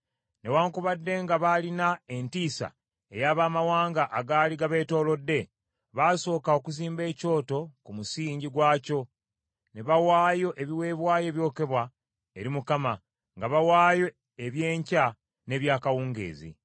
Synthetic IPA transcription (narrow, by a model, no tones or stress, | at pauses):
ne̞waːŋkuβadːe̞ŋɡaβalinae̞ntiːsa̰ | e̞jaːβaːmawaːŋɡaʔaɡaːliɡaβe̞ːto̞ːlo̞dːe̞ | βaso̞ːkaokuziːmbe̞ːco̞ːto̞kumusiːɲɟiɡwaːco̞ | ne̞βawaːjo̞ʔe̞βiwe̞ːβwaːje̞ːβjo̞ːke̞βwa | e̞ɾimukama | ŋɡaβawaːjo̞ | eβje̞ːɲca | ne̞βjaːkawuːŋɡe̞̰ːzḭ